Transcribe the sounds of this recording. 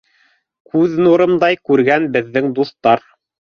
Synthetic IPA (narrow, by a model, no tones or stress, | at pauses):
kʉðnuɾɤ̆md̪ɑjkʉɾɡænbɘ̆ðːɘŋd̪uθt̪ɑɾ